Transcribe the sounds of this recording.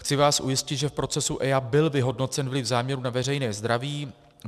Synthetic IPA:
xt͡sɪvaːsʔujɪscɪt̪ʒɛfpɾo̞t͡sɛsuʔɛjabɪlvɪɦo̞dno̞t͡sɛnvlɪfzaːmɲɛɾunavɛrɛjnɛːzd̪ɾaviː

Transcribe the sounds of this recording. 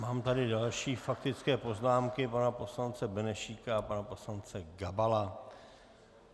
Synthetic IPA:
maːmt̪adɪdalʃiːfak̚t̪ɪt͡skɛːpo̞znaːmkɪpanapo̞slant͡sɛbɛnɛʃiːkaapanapo̞slant͡sɛɡabala

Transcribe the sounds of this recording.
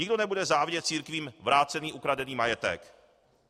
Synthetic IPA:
ɲɪɡdo̞nɛbudɛzaːvɲɛt̪̚t͡siːɾkviːmvɾaːt͡sɛniːʔukɾadɛniːmajɛt̪ɛ̰k

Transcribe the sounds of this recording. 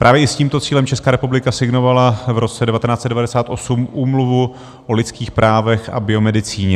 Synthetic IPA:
pɾaːvjɛʔɪsciːmt̪ot͡siːlɛmt͡ʃɛskaːɾɛpublɪkasɪɡno̞valavɾʔo̞t͡sɛdɛvat̪ɛnaːtt͡sɛt̪dɛvadɛsaːt̪ʔo̞sumʔuːmluvu | ʔolɪt͡skiːxpɾʔaːvɛxa̰bɪo̞mɛdɪt͡siːɲɛ

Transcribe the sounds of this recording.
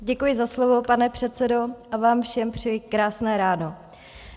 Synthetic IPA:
ɟɛkujɪzaslovo̞panɛpr̥ɛt̪t͡sɛdo̞ʔavaːmfʃɛmpr̥ɪjɪkɾaːsnɛːɾaːno̞

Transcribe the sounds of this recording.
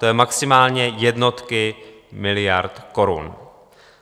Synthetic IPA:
t̪ojɛmaksɪmaːlɲɛjɛdno̞t̪kɪ | mɪlɪjaɾt̪ko̞ɾṵn

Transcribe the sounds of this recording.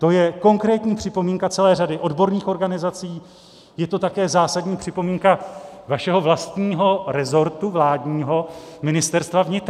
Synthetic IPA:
t̪o̞jɛko̞ŋkɾɛːt̪ɲiːpr̥ɪpo̞miːŋkat͡sɛlɛːradɪʔo̞dbo̞ɾniːxo̞ɾɡanɪzat͡siiː | jɛt̪o̞t̪akɛːzaːsadɲiːpr̝̥ɪpo̞miːŋkavaʃɛɦo̞vlast̪ɲiːɦo̞ɾɛzo̞ɾt̪uvlaːdɲiːɦo̞mɪnɪst̪ɛɾst̪vavɲɪt̪ɾ

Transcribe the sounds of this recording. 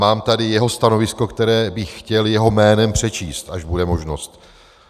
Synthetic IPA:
maːmt̪adɪjɛɦo̞st̪ano̞vɪsko̞kt̪ɛɾɛːbɪxxcɛljɛɦo̞mɛːnɛmpr̝̥ɛt͡ʃiːst̪ʔaʒbudɛmo̞ʒno̞st̪

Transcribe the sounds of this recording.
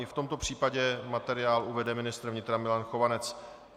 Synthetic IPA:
ɪft̪o̞mt̪o̞pr̝̥iːpaɟɛmat̪ɛɾɪjaːlʔuvɛdɛmɪnɪst̪ɾvɲɪt̪ɾamɪlanxo̞vanɛt͡s

